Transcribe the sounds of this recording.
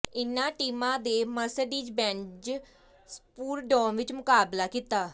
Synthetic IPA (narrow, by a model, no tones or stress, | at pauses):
ɪnãːʈiːmãːd̪eːməsəɖiːd͡ʒbɛ̃ːnd͡ʒ | spuːɾɖɔːnʋɪt͡ʃmʊkaːblaːkit̪aː